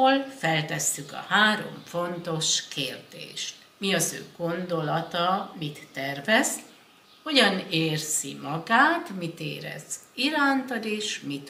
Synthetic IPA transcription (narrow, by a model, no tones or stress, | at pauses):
olfɛlt̪ɛsːykɒ̰haːɾo̞̰ɱfo̞nt̪o̞ʃkʰeːrd̪ḛːʃt̪ | miɒzø̰ːɡ̥o̞nd̪o̞lɒt̪ɒmit̪ːɛrvɛst̪ | ho̞ɟɒneːrz̥ḭmɒɡaːt̪mit̪ḛːɾɛ̰ziɾaːnt̪ɒd̪eːʃmit̪